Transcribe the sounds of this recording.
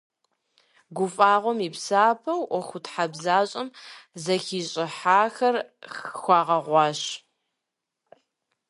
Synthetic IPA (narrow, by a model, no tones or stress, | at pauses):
ɡʷʊfʼaːʁʷɔmiːpsaːpʰɐwʔɔxʷʊtħabzaːɕʼɪmzɐxiːɕʼɪħaːxɐrxxʷɑːʁɐʁʷɑːɕ